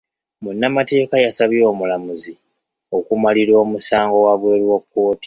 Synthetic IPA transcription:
munːamate̞ːkajasaβjo̞ːmulamuzi | o̞kumaliɾo̞ːmusaːŋɡo̞waβwe̞ːlwokːo̞ːti̥

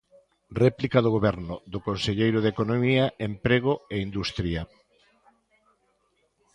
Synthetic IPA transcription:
rɛplikaðʊɣoβɛɾnʊðʊkonseʎejɾʊðekonomiaempɾeɣ̞ʊeind̪ust̪ɾiɐ

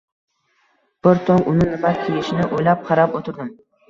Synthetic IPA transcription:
b̥ɪɾt̪ʰɒŋʊnɪnɪmat̚kʲʰelɪʃɪnɪʔojlap̚qʰɑɾapot̪ʰɪɾd̪ɪm

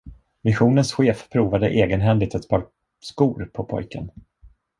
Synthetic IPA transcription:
mɪɧuːnənsɧeːfpʰːɾuːvad̪əʔeːɡənɦɛnd̪ɪɡt̪ɛt̪bʰɑːɾ | skuːɾpʰɔpʰɔ̰jkə̰n

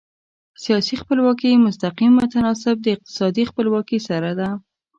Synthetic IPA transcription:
sijɑsixpəlwɑkijmʊst̪aqimːʊt̪anɑs̬ɪb̚d̪əɪq̚t̪ɪ̥sɑd̪ixpəlwɑkisaɾad̪a

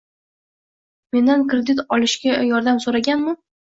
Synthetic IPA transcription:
me̞nd̪ankɾe̞d̪ɪt̪ɒlˠɪʃɡʲajɒɾd̪amsoɾaɡʲanmʊ

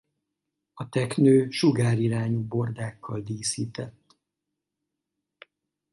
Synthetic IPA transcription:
ɒt̪ɛknøːʃuɡaːɾiɾaːɲubo̞rd̪aːkʰːɒld̪iːsiːt̪ɛt̪ː

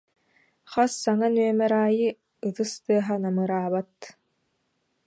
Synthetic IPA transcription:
χɔsːaŋanyœmɛɾaːjɯ | ɯt̪ɯst̪ɯɐɦanamɯɾaːβat̪

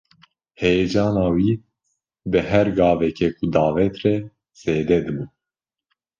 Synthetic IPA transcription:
hɛjɛd͡ʒɑːnɑːwiː | bɨɦɛɾɡɑːvɛkʰɛkʰud̪ɑːvɛt̪rɛ | z̥eːd̪ɛd̪ɨbu

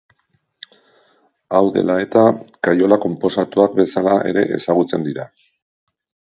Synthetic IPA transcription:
awðe̞̰lae̞t̪akajo̞lako̞mpo̞sat̪uak̚be̞salae̞̰ɾe̞̰ʔḛsaɣut͡se̞nd̪iɾa

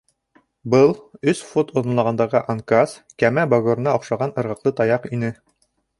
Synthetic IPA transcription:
bɤlˠɵsfot̪oðɤ̆nlˠɑʁɑnd̪ɑʁɤʔaŋkaskæmæboɡoɾnɑŏqʃɑʁɑnɤ̆ɾʁɤ̆qlˠɤt̪ɑjɑqinɘ

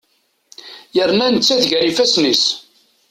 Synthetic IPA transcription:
jəɾnænət͡sːæðʝæɾifæsnis

